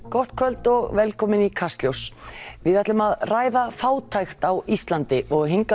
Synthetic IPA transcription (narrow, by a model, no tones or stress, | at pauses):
kɔht̪̚kʰœlt̪ɔɣvɛlkʰɔːmɪnikʰast̪ljowsvɪðɛt̪lʏmaðraːjðafaːwt̪ʰajxt̪awist̪lant̪ɪʔɔɣɦeŋka